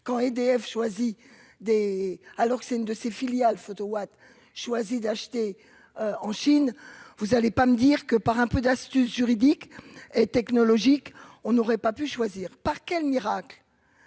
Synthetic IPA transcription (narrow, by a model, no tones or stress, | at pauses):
kɑ̃ɛd̪eɛfʃwazid̪ealɔʁkə̥sɛt̪ynd̪əsefiljalfot̪owat̪ | ʃwazid̪aʃt̪e | øɑ̃ʃinvuzalepaməd̪iʁkəpaʁɛ̃pød̪ast̪ysʒyʁid̪iket̪ɛknɔlɔʒikɔ̃nɔʁɛpapyʃwaziːʁpaʁkʲɛlmiʁakl